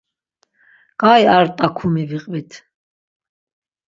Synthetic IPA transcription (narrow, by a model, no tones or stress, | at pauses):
ɡ̥aːjaɾt̪ʼakʰumiviqʼvit̪ʰ